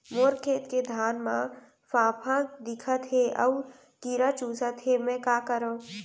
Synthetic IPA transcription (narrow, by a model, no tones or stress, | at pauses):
moːɾkʰeːt̪ked̪ʱaːnmã | faːpʰãd̪ɪkʰət̪ɦeʔɔʊɾ | kiːɾat͡ʃuːsət̪ɦemɛ̃kaːkəɾõː